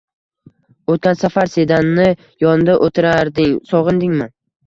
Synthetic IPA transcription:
ot̪̚kʲansafaɾse̞d̪anːɪ | jɒnɪd̪aʔot̪ʰɪɾaɾd̪ɪŋsɒʁɨnd̪ɪŋma

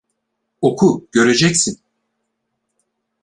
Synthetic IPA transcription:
o̞kʰuɟ̥ø̞ɾe̞d͡ʒɛcsin

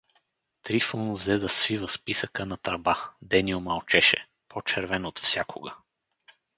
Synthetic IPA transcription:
t̪ɾifl̩ˠnʊvzɛd̪ɐsvivəspisəkənɐt̪ɾɐbad̪ɛniʊmalˠt͡ʃɛʃɛ̰ | pot͡ʃɛɾvɛnot̪fsʲjakʰo̰ɡə

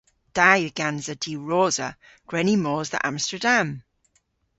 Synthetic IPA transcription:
d̥ajɡ̥anzədiːɹɔːzə | ɡ̥ɹɛnimɔːzðə̰ʔãmstədãm

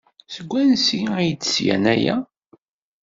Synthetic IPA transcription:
səɡʷːænsijt͡sːsjæ̰næjæ̰

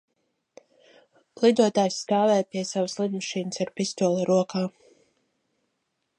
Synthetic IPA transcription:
lˠid̪uɔt̪aːjsːt̪aːvɛːjpʲiɛsavəslˠid̪maʃiːnəsaɾpist̪uɔlˠɛɾuɔkʰaː

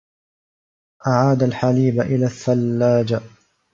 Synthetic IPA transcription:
ʔaʕaːd̪alħaliːbaʔɪlaːθːalːaːd͡ʒ

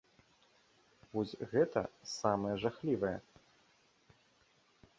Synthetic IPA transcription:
vɔsʲɣɛt̪ɐ̰samɐjɛʐaxlʲivɐjɛ̰

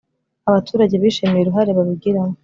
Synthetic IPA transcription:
aβatʰuːɾaɟe̞βiːʃemejeɾuɦaɾeβaβiɡiɾamo

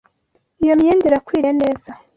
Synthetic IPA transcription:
ijo̞mɲeːndeɾakwiːɾeneːza

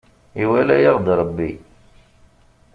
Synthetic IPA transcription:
iwælæjiʁd̪ɾˤbːi

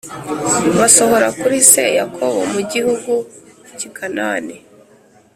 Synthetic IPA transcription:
βaso̞ho̞ɾakuɾise̞̰jakʰoβo̞̰muɟihuɡucikʰanaːni

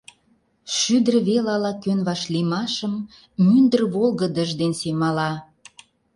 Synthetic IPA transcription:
ʃyd̪ərβelɑlɑkønβɑʃlimɑʃəmː | ynd̪ərβolɣə̆d̪əʒd̪ensemɑlɑ

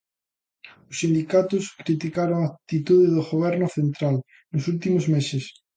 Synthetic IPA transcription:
osːind̪ikat̪oskɾit̪ikaɾoŋat̪it̪uðeðoɣoβ̞eɾnoθẽnt̪ɾal | nosult̪imozmeses

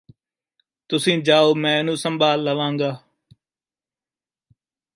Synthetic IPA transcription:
t̪ʊsĩːd͡ʒaːoːmɛ̃ːnũːsəmbʱaːlːəʋãːŋɡaː

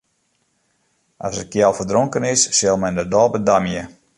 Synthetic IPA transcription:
ʔasət̚kjɛlˠfərdroŋkənɪsːɪlˠmɛndərdɔːbədamjə

